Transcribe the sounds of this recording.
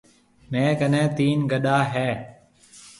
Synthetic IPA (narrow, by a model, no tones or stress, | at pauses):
mẽːkənẽːt̪iːnɡəɗaːɦɛː